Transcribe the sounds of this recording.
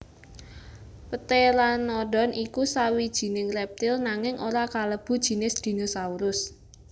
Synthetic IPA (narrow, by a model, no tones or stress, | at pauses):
pət̪elanːɔɖɔnʔikusawid̥ʒ̥i̤nɪŋrɛp̚t̪ɪlnaŋɪŋʔoɾakaləb̥ṳd̥ʒ̥i̤nɪsd̪̥i̤nosauɾʊs